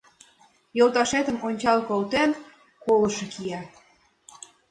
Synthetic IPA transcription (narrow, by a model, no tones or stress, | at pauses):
jolt̪ɑʃet̪ə̆monʲt͡ɕɑlkolt̪en | kolɤ̆ʃĕkʰiɑ